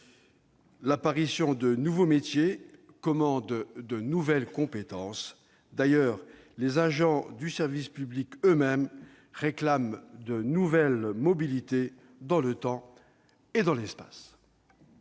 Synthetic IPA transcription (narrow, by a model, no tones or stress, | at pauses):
lapaʁisjɔ̃d̪ənuvomet̪je | kɔmɑ̃d̪d̪ənuvɛlkɔ̃pet̪ɑ̃s | d̪ajœːʁ | lezaʒɑ̃d̪ysɛʁvispyblikømɛm | ʁeklamd̪ənuvɛlmɔbilit̪e | d̪ɑ̃lət̪ɑ̃ | ed̪ɑ̃lɛspḁ̰s